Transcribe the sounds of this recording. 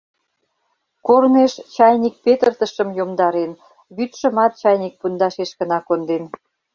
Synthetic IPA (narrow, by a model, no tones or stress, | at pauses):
korneʃt͡ɕɑjnʲik̚pet̪ərt̪ə̆ʃə̆mjomd̪ɑɾen | βyt̪ʃə̆mɑt̪̚t͡ɕɑjnʲik̚pund̪ɑʃeʃkə̆nɑkond̪en